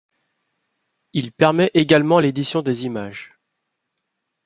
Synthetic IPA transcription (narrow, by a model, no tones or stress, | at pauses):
ilpɛʁmɛʔeɡalmɑ̃led̪isjɔ̃d̪ezimaʒ